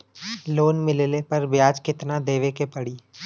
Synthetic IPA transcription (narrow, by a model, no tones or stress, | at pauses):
loːnmɪllepɐɾbjaːd͡ʒkɪt̪nad̪eːʋekepɐɽiː